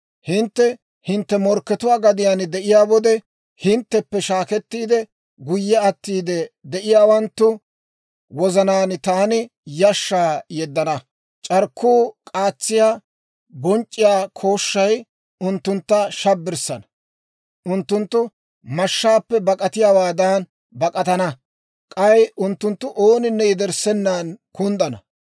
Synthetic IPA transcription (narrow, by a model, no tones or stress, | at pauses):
hɪnt̪ːɛ | hɪnt̪ːɛmɔɾkːɛt̪ʊwaːɡɐd̪ɪjaːnd̪ɛʔɪjaːwɔd̪ɛ | hɪnt̪ːɛpːɛʃaːkɛt̪ːiːd̪ɛ | ɡʊjːɛɐt̪ːiːd̪ɛd̪ɛʔɪjaːwɐnt̪ːʊ | wɔzɐnaːnɪt̪aːnɪ | jɐʃːaːjɛd̪ːɐnɐ | t͡ʃʼɐɾkʰːuːkʼaːt͡sːɪjaː | bɔnt͡ʃʼːɪjaːkʰo̞ːʃːɐj | ʊnt̪ːʊnt̪ːɐʃɐbːɪɾsɐnɐ | ʔʊnt̪ːʊnt̪ːʊ | mɐʃːaːpːɛbɐkʼɐt̪ɪjawaːd̪aːn | bɐkʼɐt̪ɐnɐ | kʼɐjʊnt̪ːʊnt̪ːʊʔoːnɪnːɛjɪd̪ɛɾsɛnːaːnkʊnd̪ɐnɐ̰